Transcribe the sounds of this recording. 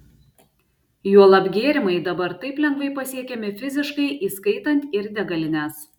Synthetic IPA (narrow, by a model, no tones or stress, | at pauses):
juɔlˠɐbʲɡʲeːɾʲɪmɐɪd̪ɐbɐɾt̪ɐɪplʲɛŋɡʋɐɪpɐsʲiɛkʲɛmʲɪfʲɪzʲɪʃkɐɪʔiːskɐɪt̪ɐnʲt̪ʲɪɾd̪ʲɛɡɐlʲɪnʲæːs